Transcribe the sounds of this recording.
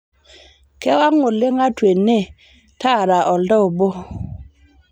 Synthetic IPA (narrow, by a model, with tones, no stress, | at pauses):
kɛ˦wa˦ŋːu˨lːɪ˦ŋa˦twe˨nːe˦ | ta˦˨ɾa˨ʔɔ˨ldɔ˦˨bo˦